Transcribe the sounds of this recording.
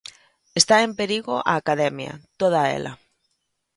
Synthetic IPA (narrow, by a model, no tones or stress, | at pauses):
est̪aempeɾiɣoʔaːkaðemja̰t̪oð̞aḛlʔa̰